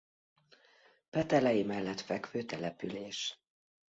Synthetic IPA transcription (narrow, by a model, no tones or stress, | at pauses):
pɛt̪ɛlɛjimɛlːɛt̪fɛkføːt̪ɛlɛpyleːʃ